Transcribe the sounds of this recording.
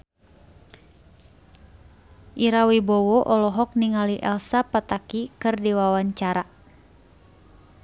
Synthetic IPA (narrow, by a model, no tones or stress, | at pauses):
ʔiɾawibɔwɔʔɔlɔɦɔk̚niŋaliʔɛlsapat̪akikɨrdiwawaɲt͡ʃaɾa